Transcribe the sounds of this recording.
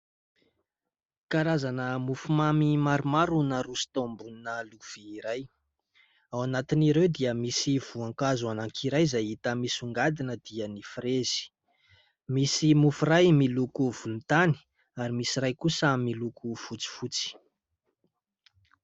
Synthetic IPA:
kaɾazanəmufumamimaɾumaɾunəɾusi̥t̪ambuninəluv̥iːɾaj | awanat̪iniɾewd̪iəmisiv̥uaŋkazuanaŋkʰiɾajzajit̪əmisuŋɡad̪inəd̪iənifɾezi̥ | misimufurajmilukuv̥unit̪ani̥ | aɾimisirajkusəmilukʰufut͡si̥fut͡si̥

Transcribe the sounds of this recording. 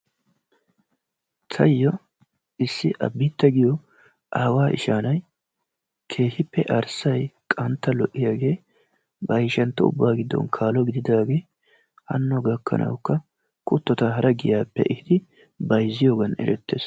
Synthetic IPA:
t̪ʰɐjːɔ | ɪsːɪʔɐ̰bːiːt̪ːɐɡɪjɔ | ʔaːwaːʔɪ̰ʃaːnɐj | kʰe̞ːhɪpːɛʔɐɾsɐjkʼɐnt̪ːɐlɔʔːɪjaːɡe̞ː | bɐjɪʃɐnt̪ːɐʊ̰bːaːɡɪd̪ːɔ̰nkʰaːlɔɡɪd̪ɪd̪aːɡe̞ː | hɐ̰nːɔɡɐkʰːɐ̰nʔɐ̰wkːɐ | kʊt̪ːɔt̪ɐɦɐɾɐɡɪjaːpːɛ̰ʔɪhɪd̪ɪ | bɐjzːɪjoːɡɐnɛ̰ɾɛt̪ːeːs

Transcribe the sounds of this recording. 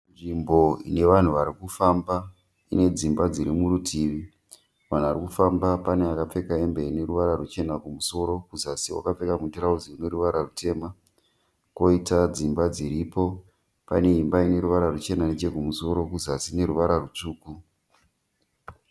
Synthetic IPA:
nʐimbo̞ḭne̞ʋan̤uʋaɾikufamba | ine̞d͡zimbad͡ziɾimuɾutʰiːʋi | ʋan̤uʋaɾikufambapaneakap͡fe̞kae̞mbe̞ine̞ɾuʋaɾarut͡ʃe̞nakumuso̞ɾo̞kuzasiwa̰kap͡fe̞kamundiɾaud͡ziune̞ɾuʋaɾarutʰe̞ma | ko̞itad͡zimbad͡ziɾipo̞ | pa̰ne̞imbaine̞ɾuʋaɾarut͡ʃe̞nanet͡ʃe̞kumuso̞ɾo̞kuzasine̞ɾuʋaɾarut͡ʂuːku

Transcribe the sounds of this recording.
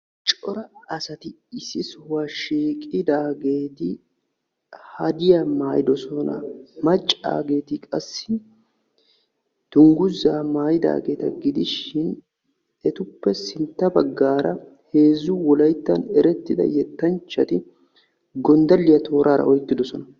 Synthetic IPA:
t͡ʃʼɔɾɐɐsɐt̪ɪ | ɪsɪsʊwaʃiːkʼɪd̪aːɡe̞ːt̪ɪ | hɐd̪ɪjamaːjɪd̪ɔsɔnɐ̰mɐt͡ʃʼːa̰ːɡe̞ːt̪ɪkʼɐsːɪ | d̪̥ʊŋɡʊzːaːmaːjɪd̪a̰ːɡe̞ːt̪ɐɡɪd̪ɪʃɪn | ɛt̪ʊpːɛsɪnt̪ːɐbɐɡːaːɾɐ | he̞ːzːʊwɔlɐjt̪ːɐnɛɾɛt̪ːɪd̪ɐ̰jɛt̪ːɐnt͡ʃːɐt̪ɪ | ɡɔnd̪ɐlːɪjɐt̪ʰo̞ːɾʔaːɾɐ̰ʔɔjt̪ːɪd̪ɔsɔnɐ

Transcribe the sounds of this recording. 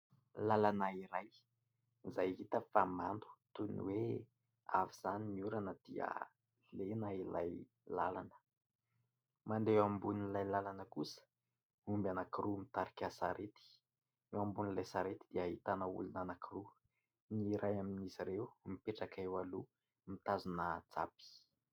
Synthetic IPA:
lalanaiɾaj | izajɦit̪əfamand̪u̥t̪unḭwe | a̰viz̥aniniuɾanəd̪̥iə̰ | lenaila̰j | lalanə̥ | mand̪ewambunilajlalanəkusə̥ | umbanakiɾumit̪aɾikʲasaɾet̪i̥ | ewambunilajsaɾet̪i̥d̪̥iaɦit̪anəṵlunanakiɾu | niɾajaminiziɾewmipeʈ͡ʂakewalu | mit̪azunət͡sa̰pi̥

